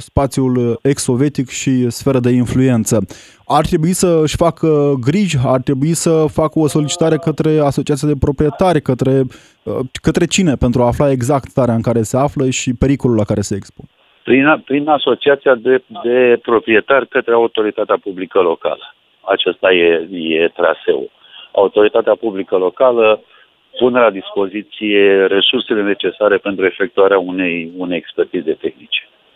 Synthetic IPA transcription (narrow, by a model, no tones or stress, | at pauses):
spat̪sjule̞kso̞vʲje̞t̪ikʃisfe̞ɾəd̪e̞influe̞nt̪sə | art̪ɾe̞buisəɨʃʲfakəɡɾiʒart̪ɾe̞buisəfakəo̞so̞lit͡ʃi̥t̪aɾe̞kət̪ɾe̞aso̞t͡ʃiat̪iad̪e̞pɾo̞pɾije̞t̪arʲkət̪ɾe̞ | əkət̪ɾe̞t͡ʃine̞pe̞nt̪ɾuaːflae̞ɡzakt̪saɾeaɨŋkaɾe̞se̞afləʃipe̞ɾikolulːakaɾe̞se̞ːkspon | pɾinpɾinaso̞t͡ʃiat̪sijad̪ed̪e̞pɾo̞pɾie̞t̪arʲkət̪ɾeaut̪o̞ɾit̪at̪eapublikəlo̞ka̰lə | at͡ʃest̪ajejet̪ɾa̰se̞̰o̰ | a̰ut̪o̞ɾit̪at̪eapublikəlo̞kalə | punelad̪ispo̞zit̪sije̞ɾe̞surse̞le̞ne̞t͡ʃe̞saɾe̞pe̞nt̪ɾue̞fe̞k̚t̪uaɾeaunejunejekspe̞rt̪ize̞t̪e̞xnit͡ʃe̥